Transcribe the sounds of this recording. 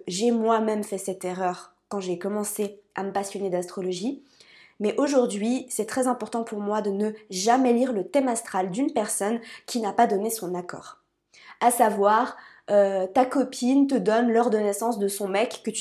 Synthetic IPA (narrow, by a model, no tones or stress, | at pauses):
ʒemwamɛmfɛsɛt̪eʁœʁ | kɑ̃ʒekɔmɑ̃sea̰məpasjɔned̪ast̪χɔlɔʒi | mɛʔoʒuʁd̪ɥisɛt̪χɛzɛ̃pɔʁt̪ɑ̃puʁmwad̪ənəʒamɛliʁlət̪ɛmast̪χald̪ynpɛʁsɔnkʲʰinapad̪ɔnesɔ̃nakɔ̰ːʁ | asavwaʁ | øt̪akɔpʰint̪əd̪ɔnlɔʁd̪ənɛsɑ̃sd̪əsɔ̃mɛkːət̪